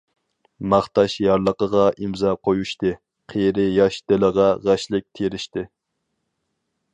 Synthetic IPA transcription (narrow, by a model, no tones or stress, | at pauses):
mɑχt̪ɑʃjɑɾlˠəqəʁɑʔimzɑqʰojuʃt̪ɨ | qʰejɾɪjɑʃd̪̥ɪləʁɑʁæʃlɪk̚ʲt̪ʰeɾɪʃt̪ɪ